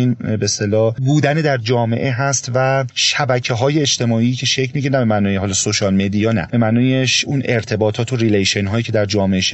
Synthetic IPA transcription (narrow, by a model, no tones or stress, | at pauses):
inbest̪elɒːbuːd̪æned̪æɾd͡ʒɒːme̞̰ʔeɦæst̪væʃæbæcʰe̞ɦɒːje̞et͡ʃt̪ʰe̞mɒːiːcʰe̞ʃecʰmiːɟʰenæbemænɒːjeɦɒlɒːsoʃɒlmed̪ijɒːnæ̰b̥e̞mænɒːjeʃuneɾt̪ʰe̞bɒːt̪ʰɒːt̪ʰoɾilejʃenɦɒːjiːcʰe̞d̪æɾd͡ʒɒːmeʔeʃ